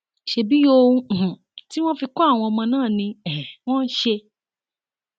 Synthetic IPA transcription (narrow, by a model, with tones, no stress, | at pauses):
ʃe˧bi˨˦jõ˧˨h̩˨ | ti˦w̃ɔ̃˦fi˧kɔ˦a˦˨w̃ɔ̃˧mɔ̃˧nãː˦˨nĩ˧ɛ˨w̃ɔ̃˦n̩˦ʃe˧